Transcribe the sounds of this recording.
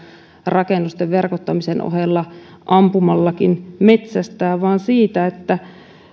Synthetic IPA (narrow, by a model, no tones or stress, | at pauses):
rɑkenːust̪eʋʋerkot̪ːɑmisenʔo̰helːɑ | ʔɑmpumɑlːɑkinmet̪sæst̪æːʋɑːnsiːt̪æet̪ːæ